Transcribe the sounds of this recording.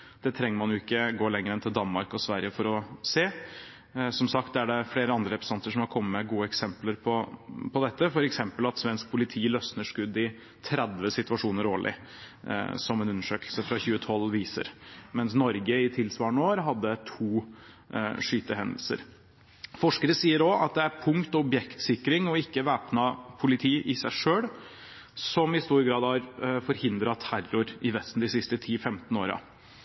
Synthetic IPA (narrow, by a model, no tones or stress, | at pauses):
d̪̥ɛt̪ʰɾɛŋːəɾmɑnjʊɪkːəɡoːlɛŋːəɾɛnt̪ʰɪld̪ɑnmɑɾkɔsʋæɾɪəfɔɾɔseː | sɔmsɑk̚t̪̚d̪æɖɛfleːɾəɑnd̪ɾəɾɛpɾəsɑnt̪əʂɔmhɑɾkʰɔmːəmɛɡuːəɛksɛmpləɾpʰɔpʰɔd̪ɛt̪ːəfɔɾɛksɛmpəlɑt̪sʋɛnsk̚pʰʊlɪt̪ʰiːlœsnəʂkʉd̪ːɪ | t̪ʰɾɛd̪ʋəsɪt̪ʉʋɑʂuːnəɾoːɭɪ̰ | sɔmɛnʉnːəʂøːklsəfɾɑçʉːət̪ʰɔlʋiːsə̰ɾmɛnsnɔɾɡəɪt̪ʰɪlsʋɑːɳoːɾɦɑd̪ːət̪ʰuː | ʂyːt̪əɦɛnd̪əl̩sə̰ɾ | fɔʂkəɾəsiːəɾɔɑt̪̚d̪ɛæɾpʰʊŋkt̪ɔɔbjɛkt̪sɪkːɾɪŋɔɪkːəʋæːpnɑpʰʊlɪt̪ʰiːʔɪsæɪʂøːɽ | sɔmɪst̪uːɾɡɾɑːd̪hɑɾfɔɾhɪnd̪ɾɑt̪ʰːærʊɾɪʋɛst̪n̩d̪ɪsɪst̪ət̪ʰiːfɛmt̪noːɾɑ̰